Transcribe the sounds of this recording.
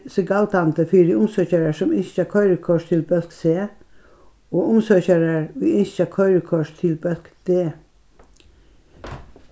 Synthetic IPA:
səɡɑlt̪ɑnt̪əfiːdiʊmsœçəɹəsɔmɪnɑkʰœʏɾəkʰɔʃt̪ʰɪlbœlkseː | oːʔʊmsœçəɾəɹʋɪɪnçəkʰœʏɾəkʰɔʃt̪ʰɪlbœlkd̪̥eː

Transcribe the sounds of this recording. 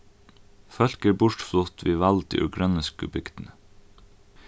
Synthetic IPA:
fœlkəɾbʊʈflʊt̪ʋiːʋɑld̪ḭʔʉɡɾœnəskʉbʏɡd̪̥n̩ə

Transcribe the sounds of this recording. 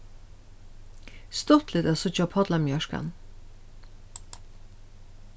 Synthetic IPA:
st̪ɔt̪lɪt̪ɛsɔt͡ʃɔpʰɔd̪lamjœʃka̰n

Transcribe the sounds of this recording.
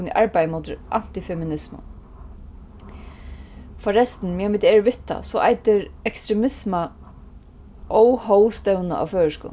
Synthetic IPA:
nḭʔɑɹpajmoːt̪ɪɾʔa̰n̥t̪ɪfɛmɪnɪsmʊ̰ | fɔɾɛst̪n̩mjamɪt̪ɛːɹʋɪht̪ʰːa̰sɔʔajt̪ɪɹɛkst̪ɾɛmɪsma | ʔɔwhɔwst̪ɛwna̰ʔa̰wføːɹəʂkʊ̰

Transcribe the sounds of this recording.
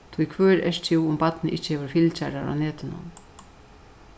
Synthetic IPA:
t̪ʰijkʰvœːɾɛʂt̪ʰiwʊmpat̪nɪʔɪht͡ʃːɪ̥hɛːvʏɾfilt͡ɕaɾa̰ɾa̰wnɛːt̪ɪnʊ̰m

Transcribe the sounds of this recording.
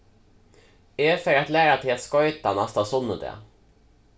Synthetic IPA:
efœɾat̪læːɾat̪ʰɪat̪skɔjt̪anast̪asɔnːəd̪ɛ̰

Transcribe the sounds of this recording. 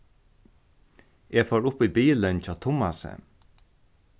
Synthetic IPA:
ʔeːfoːɹʊpiːbiːlənt͡ɕɔːt̪ʰʊma̰sə̰

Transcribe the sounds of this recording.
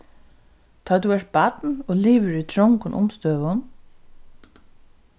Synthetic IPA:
t̪ʰɑːt̪uɛʂ̚bat̪nɔːliːʋəɹit̪ʰɹɔŋkʊnʔʊ̰mst̪øːʋʊn

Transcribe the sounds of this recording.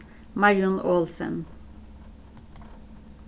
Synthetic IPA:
mɑɪʊnʔoːlsə̰n

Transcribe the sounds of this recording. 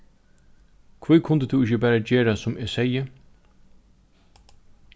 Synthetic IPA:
kʰvukʰʊnt̪ət̪ʰuːɪçəbæːɾad͡ʒeːɾasʊmeːsɛjə

